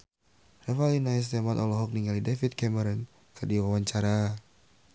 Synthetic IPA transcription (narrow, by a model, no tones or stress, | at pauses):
rɛfalinaɛs̬t̪ɛmat̪ɔlɔɦɔk̚niŋalidɛfit̪̚kɛmɛɾɔn | kədiwawaɲt͡ʃaɾa